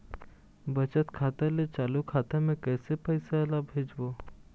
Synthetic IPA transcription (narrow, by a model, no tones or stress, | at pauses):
bət͡ɕət̪kʰat̪elet͡ɕalukʰat̪amẽkɛjsepəjselabʱed͡ʑbo